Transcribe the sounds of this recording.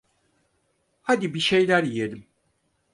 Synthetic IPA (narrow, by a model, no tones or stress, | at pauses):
had̪ibiʃe̞jlʲæɾijed̪im